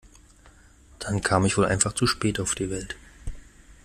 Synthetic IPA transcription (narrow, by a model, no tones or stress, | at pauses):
d̥ankʰaːmɪçv̥oːlʔa̰ɪnfaχt͡suʃpɛːtaʊfd̥iːvɛlt